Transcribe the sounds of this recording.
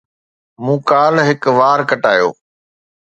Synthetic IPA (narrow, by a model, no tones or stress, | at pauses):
mũːkaːlɦɪkʋaːɾkɐʈaːjo̰ː